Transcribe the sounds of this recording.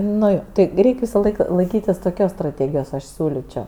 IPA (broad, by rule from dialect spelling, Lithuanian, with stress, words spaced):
ˈnʊ joː ˈtʲɪ ˈrʲɛɪkʲ ˈʋʲɪsɐˌlˠɐɪk lˠɐɪˈkʲiːtʲɪs toːˈkʲoːs strɐˈtʲeːɡʲɪjoːs ˈɐʃ ˈsʲuːlʲɪt͡ʃʲoː